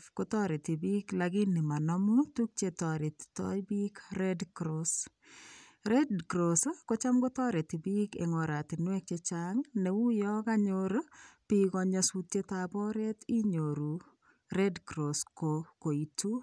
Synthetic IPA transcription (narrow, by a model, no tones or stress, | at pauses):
kotɔɾetibiklaɡinimanɔmutuk̚t͡ʃetɔɾeti̥tɔ̰jbikrɛdkɾos | rɛdkɾoskot͡ʃamɡotɔɾetibikḛŋɔɾatinwɛk̚t͡ʃet͡ʃaŋneujɔkaɲoɾpikɔɲɔsutetabɔɾetiɲoɾu | rɛdkɾoskokoitu